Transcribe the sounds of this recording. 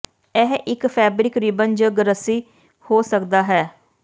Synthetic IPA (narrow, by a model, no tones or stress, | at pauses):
ɛɦʔɪkpʰɛːbɾɪkɾɪbənd͡ʒəɡəɾəsiː | hoːsəkd̪aːɦɛː